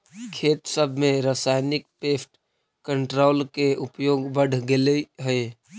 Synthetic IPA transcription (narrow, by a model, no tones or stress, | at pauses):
kʰeːt̪səbʱmẽɾəsaːɪnɪk̚peːpʈ | kəɳʈɾoːlkeʔʊpjoːɡbəɽ̤ʱɡeleɦəe